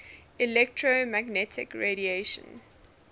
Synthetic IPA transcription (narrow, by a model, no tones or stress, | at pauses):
ilɛktʰɹomæɡnɛtʰɪ̰kɹeɾieʃə̰̃n